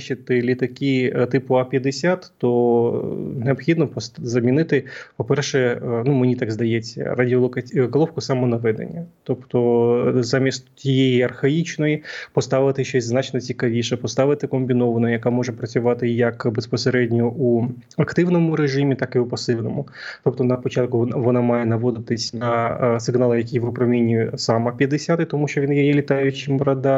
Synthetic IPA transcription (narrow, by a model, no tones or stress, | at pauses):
t͡ʃɪt̪ɪlʲit̪ɐkit̪ɪpʊapʲjɐd̪esʲat̪ːɔ | neɔbxʲid̪nɔpzɐmʲinɪt̪ɪpɔpɛrʃɛnumɪnʲit̪ɑɡzd̪ɐjet͡sʲːɐ̰rɐdʲiɔlˠɔkɐɡɔlˠɔwkʊsɑmɔnɐʋɛd̪ḛnʲːɐt̪ɔpt̪ɔzɑmʲist̪tʲijejiɐrxɐit͡ʃnɔjipɔst̪aʋɪt̪ɪɕoznat͡ɕnɐtʲikɐʋʲiʂɛpɔst̪aʋɨt̪ɪkɔmʲbʲinoʋɐnɔjjɐkamɔʐɛpɾɐt͡sʲʊʋat̪ɪjɐkbɛspɔsɾɛdʲnʲɔʔu | ɐkt̪ɪʋnɔmʊɾeʐɨmʲɪt̪akɪʊpɐsɨʋnɔmʊ | t̪ɔp̚t̪ɔnɐpɔt͡ɕat̪̚kʊʋɔnamajɛnɐʋɔd̪ɪt̪ɪsʲnɐsɨɡnalˠɨjɐkʲijʋʊpɾɐmʲinʲːisamɐpʲjɐd̪ɪsʲat̪ɪt̪ɔmuʃɔʋʲinjɛjɛlʲɪt̪ajʊt͡ɕːɪmɾɐd̪a